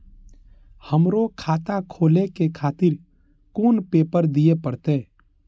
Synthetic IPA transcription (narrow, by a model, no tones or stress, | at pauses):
həmɾokʰaːt̪akʰoːlekekʰaːt̪ɪɾ | koːnpeːpəɾd̪ijepəɽt̪eː